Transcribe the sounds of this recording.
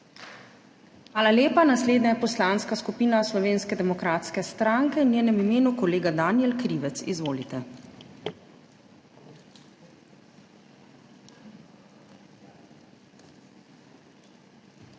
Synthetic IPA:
xʋaːlaleːpanasleːd̪najɛpɔslanskaskupiːnaslɔʋeːnskɛd̪ɛmɔkɾaːt̪skɛst̪ɾaŋkɛnjeːnɛmimeːnukɔleːɡad̪aːniɛlkɾiːʋɛt̪sḭzʋoːlit̪ɛ

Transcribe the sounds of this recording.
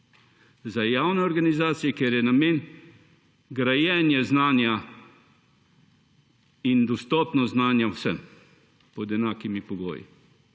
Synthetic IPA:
zajaːwnɛɔɾɡanizaːt̪sijɛkjeɾjɛnameːn | ɡɾajɛːnjɛznaːnja | ind̪ɔst̪ɔːpnɔznaːnjawsɛm | pɔd̪ɛnaːkimipɔɡo̰ːjḭ

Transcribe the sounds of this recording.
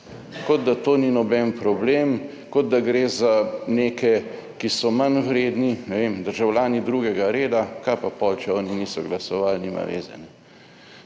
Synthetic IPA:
kɔd̪̚d̪at̪oːninɔbɛnpɾɔbleːm | kɔd̪̚d̪aɡɾeːzaneːkɛkisɔmanwɾeːd̪ninɛʋemd̪əɾʒawljaːnid̪ɾuːɡɛɡaɾeːd̪akapapɔːlt͡ʃɛɔːniniːsɔɡlasɔʋaːlniːma̰ʋḛːzɛ̰nɛ

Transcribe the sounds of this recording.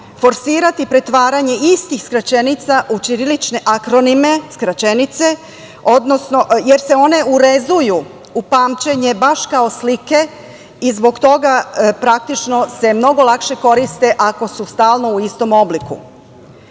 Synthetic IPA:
fo̞ɾsiːɾat̪ipɾe̞t̪ʋaːɾaɲe̞ist̪ixskɾat͡ɕe̞nit̪saʔut͡ʃiɾilit͡ʃne̞ʔakɾo̞nime̞skɾat͡ɕe̞nit̪se̞ | o̞d̪no̞snoje̞ɾse̞o̞ne̞uɾe̞zuju | upaːmt͡ɕe̞ɲe̞baʃkao̞slike̞ | izbo̞ɡt̪o̞ɡapɾak̚t̪it͡ʃno̞se̞mno̞ɡo̞lˠakʃe̞ko̞ɾist̪e̞ʔako̞sust̪aːlˠno̞uist̪o̞mo̞blikṵ

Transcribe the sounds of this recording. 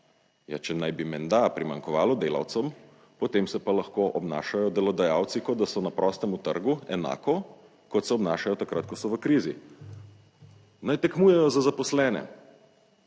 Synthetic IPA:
ja̰t͡ʃɛnajbimɛnd̪apɾima̰ŋkɔʋaːlɔd̪eːlɐ̰wt̪sɔm | pɔt̪emsɛpalɐxkoːʔɔbna̰ːʃajɔd̪ɛlɔd̪ajaw̪sikɔd̪d̪asɔnapɾʔɔːst̪ɛmut̪ə̰ɾɡuɛna̰ːkɔ | kɔt̪sɛɔbnaːʃajɔt̪akɾat̪̚kɔsɔʋəkɾiːzi | najt̪ɛkmuːjɛjɔzazapɔslɛːnɛ̰

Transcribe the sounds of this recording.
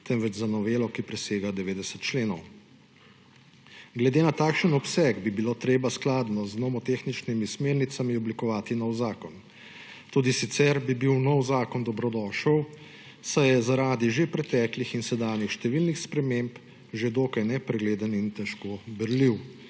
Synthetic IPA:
t̪ɛmʋɛd͡ʒzanɔʋeːlɔkipɾɛseːɡad̪ɛʋeːd̪ɛsət̪̚t͡ʃleːnɔw | ɡlɛd̪eːnat̪aːkʃənɔpsɛɡbibiloːt̪ɾeːbasklaːd̪nɔznɔmɔt̪exnit͡ʃnimismeːɾnit̪samiɔblikɔʋaːt̪inɔwzaːkɔn | t̪uːd̪isit̪sɛɾbibiwnɔwzaːkɔnd̪ɔbɾɔd̪ɔːʃəw | sajɛzaɾaːd̪iʒepɾɛt̪ɛːklixinsɛd̪aːnjixʃt̪ɛʋiːlnixspɾɛmemp | ʒed̪oːkajnɛpɾɛɡleːd̪ənint̪ɛʃkobəɾliw

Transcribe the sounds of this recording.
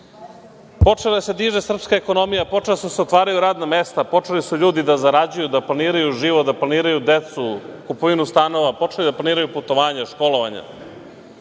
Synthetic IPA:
po̞t͡ʂe̞lad̪ase̞d̪iːʒesr̩pskaeko̞no̞mijapo̞e̞lasseot̪ʋaːɾajuɾaːd̪namest̪apo̞t͡ʂelisuʎuːd̪id̪azaɾad͡ʑujud̪aplaniːɾajuʒiːʋot̪d̪aplˠaniːɾajud̪et̪sukupoʋinust̪ano̞ʋapo̞t͡ʃe̞lid̪aplaniːɾajuput̪o̞ʋaːɲaʃko̞loʋaɲa̰

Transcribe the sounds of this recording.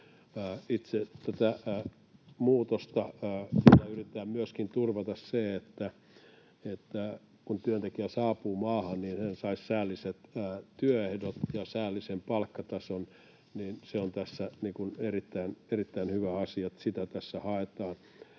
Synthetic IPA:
it̪set̪æt̪æ | muːt̪ost̪ɑːsinæyrit̪ːæːmyøskint̪urʋɑt̪ɑsseet̪ːæ | et̪ːæ | kunt̪yønt̪ekiæsɑːpuːmɑːhɑnniːnhensɑissæːlːiset̪ːt̪yøehdot̪jɑsæːlːisempɑlkːɑt̪ɑson | niːnseont̪æsːæniːkunerit̪ːæinerit̪ːæinhyʋæɑsiɑt̪sit̪æt̪æsːæhɑet̪ɑːn

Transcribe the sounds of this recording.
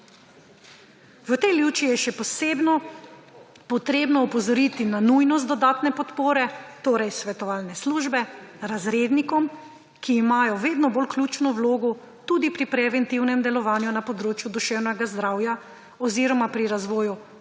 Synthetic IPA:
ʋət̪ɛjljuːt͡ʃijɛʃɛpɔseːbnɔ | pɔt̪ɾeːbnɔɔpɔzɔɾit̪inanujnɔst̪d̪ɔd̪aːt̪nɛpɔt̪poːɾɛt̪oːɾɛjsʋɛt̪ɔʋaːlnɛsluːʒbɛɾazɾeːd̪nikɔm | kiːmaːjɔʋeːd̪nɔbolklʲuːt͡ʃnɔwloːɡɔ | t̪ud̪ipɾipɾɛʋɛnt̪iwnɛmd̪ɛlɔʋaːnjunapɔd̪ɾoːt͡ʃjud̪uʃɛwnɛɡazd̪ɾaːwja | ɔziɾɔmapɾiɾazʋɔːju

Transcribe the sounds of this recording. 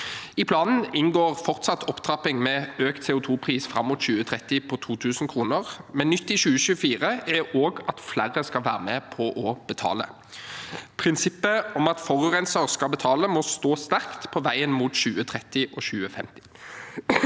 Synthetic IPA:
ɪpʰlɑːnn̩ɪnɡoːʁfɔʁt̪sɑt̪ːʰɔpt̪ʰʁɑpɪŋmɛːøːkt̪seːʊt̪ʰuːpʰʁiːsfɾɑ̰mːuːt̪ɕʉːət̪ʰʁɛt̪ːɪpʰɔt̪ʰuːt̪ʰʉːsn̩kʰʁuːnəʁmɛnːʏt̪ːɪʃʉːəʃʉːfiːʁəæoːɡɑt̪flæʁəskɑlʋæːʁəmɛpʰɔʔɔb̥ət̪ʰɑ̰ːlə̰ | pʰʁɪnsɪpːəɔmɑt̪fɔʁʉʁɛnsəʁskɑlbət̪ʰɑːləmɔst̪oːst̪æʁkt̪pʰɔʋæɪənmuːt̪ɕʉːət̪ʰʁɛt̪ɪʔɔɕʉːəfɛ̰mt̪ɪ̥

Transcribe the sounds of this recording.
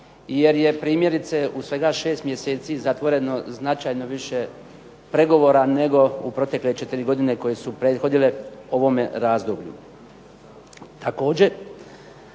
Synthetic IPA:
je̞ɾje̞pɾiːmje̞ɾit̪seusʋe̞ɡaʃe̞ːst̪mje̞seːt̪sizat̪ʋo̞ɾe̞no̞znat͡ʃaːjno̞ʋiʃe̞ | pɾe̞ɡo̞ʋo̞ːɾane̞ɡo̞upɾo̞t̪e̞kle̞t͡ʃe̞t̪iɾiɡo̞d̪ine̞ko̞je̞supɾe̞ːd̪xo̞d̪ile̞o̞ʋo̞me̞ɾaːzd̪obʎṵ | t̪ʰako̞ːd͡ʑe̞

